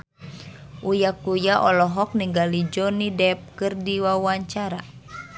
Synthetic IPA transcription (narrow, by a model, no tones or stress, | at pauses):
ʔujakujaʔɔlɔɦɔk̚niŋɡalid͡ʒɔnidɛp̚kɨrdiwawaɲt͡ʃaɾa